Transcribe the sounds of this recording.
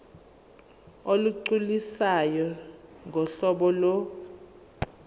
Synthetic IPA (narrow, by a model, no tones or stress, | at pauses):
oluǀulisajɔŋʱɔɬɔɓɔlɔ